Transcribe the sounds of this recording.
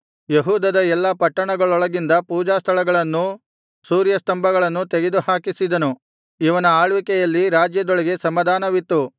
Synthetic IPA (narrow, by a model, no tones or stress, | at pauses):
jeɦuːd̪ɐd̪ɐɛlːɐpɐʈːɐɳɐɡɐɭɔɭɐɡind̪ɐpuːd͡ʒaːst̪ʰɐɭɐɡɐɭɐnːu | suːɾjɐst̪ɐmbʱɐɡɐɭɐnːut̪eɡed̪uhaːkisid̪ɐnu | iʋɐnɐaːɭʋikɛjɐlːiɾaːd͡ʒjɐd̪ɔɭɐɡe̞sɐmɐd̪ʱaːnɐʋit̪ːu